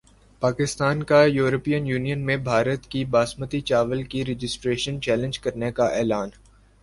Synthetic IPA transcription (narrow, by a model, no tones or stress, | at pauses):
paːkɪst̪aːnkajuːɾəpiːjənjuːnijənmẽbʱaːɾət̪kibaːsmət̪it͡ʃaːʋəlkiɾɪd͡ʒɪsʈɾeːʃənt͡ʃɛːlɪ̃nd͡ʒkɐɾnekaʔɛːlaːn